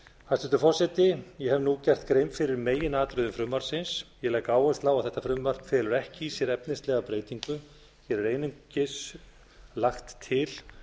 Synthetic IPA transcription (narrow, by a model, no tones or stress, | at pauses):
hast̪ɛnt̪ʏfɔr̥sɛt̪ɪjɛhɛvnucɛr̥t̪kɾeːjmfɪɾɪɾmeːjɪnaːt̪ɾʏðʏmfɾʏmːaɾsɪnsjɛlɛːjkaːwɛst̪lawaðθɛht̪ːafɾʏmːar̥fɛːlʏɾɛhcɪisjɛɾɛpnɪst̪lɛɣapɾeːjt̪iŋkʏ | çɛɾɛɾeːjnʏmcɪs | laxt̪ʰːɪl